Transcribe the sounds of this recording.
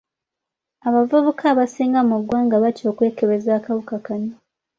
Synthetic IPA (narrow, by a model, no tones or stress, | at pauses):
aβavuβukʰaːβasiːŋɡamuɡwaːŋɡaβaco̞ːkwe̞ːkeβe̞zaːkaβukakaɲo